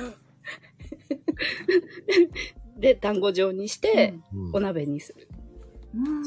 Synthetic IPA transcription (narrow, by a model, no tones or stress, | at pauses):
d̪e̞t̪ãŋɡo̞d͡ʑo̞ːɲ̟iɕi̥t̪e̞o̞nabe̞ɲ̟ːisɨɾɯ